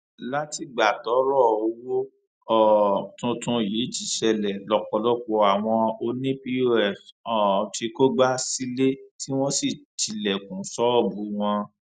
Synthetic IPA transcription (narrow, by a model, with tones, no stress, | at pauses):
la˦ti˦˨ɡ͡ba˨tɔ˨˦ɾɔ˦˨o˧wo˦ | ɔ˦˨tũ˧tũ˧jiː˨˦t͡ʃi˨˦ʃɛ˧lɛ˨lɔ˨k͡pɔ˧lɔ˦k͡pɔ˧a˨w̃ɔ̃˧o˧nĩ˦pi˧o˦ɛ˨fɔ˨ti˧ko˦ɡ͡ba˦si˦le˦ti˦w̃ɔ̃˦si˦˨t͡ʃi˨lɛ˨kũ˨˦sɔ˦ɔ˦˨bu˨˦w̃ɔ̃˧